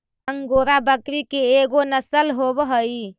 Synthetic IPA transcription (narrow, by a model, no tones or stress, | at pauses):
əŋɡoɾabəkɾikeeɡonəsəlɦobɦəj